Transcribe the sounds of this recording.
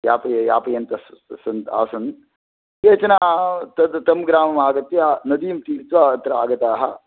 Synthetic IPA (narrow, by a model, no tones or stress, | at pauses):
jaːpɐjjaːpɐjɐnt̪ɐssɐnt̪a̰ːsɐn | jeːt͡ʃɐnaːt̪ɐd̪t̪ɐmɡɾaːmɐmaːɡɐt̪ːeanɐd̪ijumt̪iːɾt̪ʋaːɐt̪ɾɐa̰ːɡɐt̪aːɦɐ